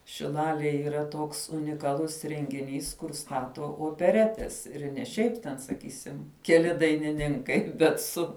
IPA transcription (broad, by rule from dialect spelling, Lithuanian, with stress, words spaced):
ʃʲɪlˠɐlʲeːj iːˈrɐ ˈtoːks ʊnʲɪkɐˈlˠʊs rʲɛŋʲɡʲɪˈnʲiːs kʊr ˈstɑːtoː oːpʲɛˈrʲæːtʲɛs ɪrʲ nʲɛ ˈʃʲɛɪp tʲɛn sɐˈkʲiːsʲɪm kʲɛˈlʲɪ dɐɪnʲɪˈnʲɪŋkɐɪ bʲɛt ˈsʊ